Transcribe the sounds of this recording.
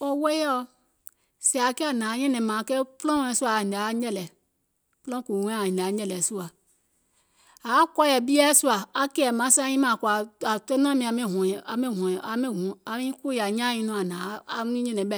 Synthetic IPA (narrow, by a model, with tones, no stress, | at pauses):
o˦we˦jɔ˦ | si˨a˨kɛ˦a˨nã˨˦ɲɛ̃˦nɛ̃˨mã˨ke˦plɔ̃˦˨˦ɛ̃˨su˦a˨i˨de˨˦ɲɛ˦lɛ˨ | flɔ̃˦ku˨ũ˨˦˨ĩ˨ne˨a˨˦ɲɛ̃˦lɛ˨su˦a˨ | a˨˦kɔ˦jɛ˨bi˦ɛ˦su˦a˨a˦ke˦ɛ˨mã˨˦sã˦ɲĩ˦mã˨ku˨a˨a˨te˦n˦ã˦mĩ˨a˨mẽ˦ɦɔ̃˨a˨mẽ˦ɦɔ̃˨a˨mẽ˦ɦũ˨a˨mĩ˦ku˦ja˨ɲã˦ĩ˦nũ˦˨a˨nã˨˦a˦n˦ĩ˦ɲɛ̃˦nɛ̃˨bɛ˦˨